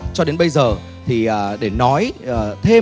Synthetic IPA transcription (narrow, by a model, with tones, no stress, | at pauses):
t͡ɕɔ˧ɗe˨˦nɓə˧jzəː˨˩ | t̪ʰi˨˩ʔəː˨˩ɗe˧˩nɔ˨˦jəː˨˩t̪ʰe˧